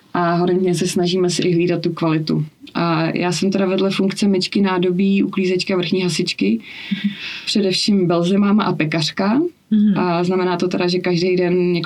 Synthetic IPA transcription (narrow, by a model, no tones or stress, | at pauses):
ʔaɦoɾɛnt̪ɲɛsɛsnaʒiːmɛsɪʔɪɦliːdat̪ːukvalɪt̪ṵʔajʔaːsɛmt̪ɛɾavɛdlɛfuŋkt͡sɛmɛt͡ʃkɪnaːdo̞biːʔukliːzɛt͡ʃkɪavr̩xɲiːɦasɪt͡ʃkɪ | pr̝̥ɛdɛfʃiːmbɛlzɛmaːmaʔapɛkar̝̥ka | ʔaznamɛnaːt̪ot̪ɛɾaʒɛkaʒdɛjdɛnɲɛk